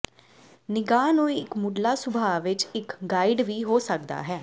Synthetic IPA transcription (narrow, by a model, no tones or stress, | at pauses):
nɪɡaːnũːiɪkmʊɖlaːsʊbʱaːʋɪt͡ʃɪkɡaːɪɖʋiːɦoːsək̚d̪a̰ːɦɛː